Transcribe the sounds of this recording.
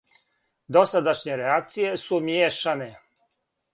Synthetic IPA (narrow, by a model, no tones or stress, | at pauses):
d̪o̞sad̪aʃɲeɾeakt̪sije̞sumjeːʃane